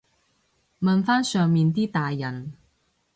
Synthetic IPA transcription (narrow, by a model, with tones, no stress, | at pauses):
mɐ˨nfaː˥nsœː˨ŋmiː˨˧nt̪iː˥t̪aː˨˩jːɐ˨˩n